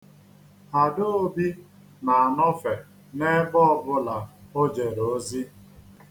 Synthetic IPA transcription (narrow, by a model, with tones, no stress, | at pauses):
a˨do˦o˦bi˦ | na˨a˨nɔ˦fe˨ | ne˦bɔ˦ɔ˦bʊ˦la˨o˦d͡ʒe˨ɾoo˦zi˦